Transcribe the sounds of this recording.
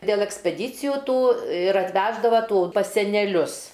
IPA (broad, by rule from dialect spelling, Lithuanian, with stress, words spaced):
dʲeːlˠ ɛksʲpʲɛˈdʲiːt͡sʲɪjʊ ˈtuː ɪr ɐtʲˈʋʲæːʒdɐʋɐ ˈtuː pɐs sʲɛnʲɛˈlʲʊs